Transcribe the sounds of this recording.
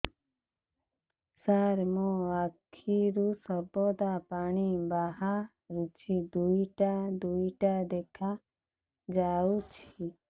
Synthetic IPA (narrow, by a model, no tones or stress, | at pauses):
saɾmoakʰːiɾusəbod̪apaːɳibaɦa | ɾut͡ʃʰid̪uiʈad̪uiʈad̪eːkʰa | d͡ʒaːut͡ʃʰi